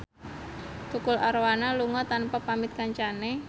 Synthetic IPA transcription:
t̪ukʊlaɾwanaluŋɔt̪anpapamɪt̪̚kaɲt͡ʃane

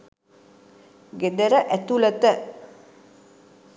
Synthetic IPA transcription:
ɡed̪əɾəʔæt̪ulət̪ə

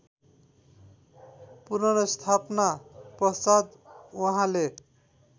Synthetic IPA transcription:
puɾʌnʌst̪ʰapnaprʌsad̪wuɦãle

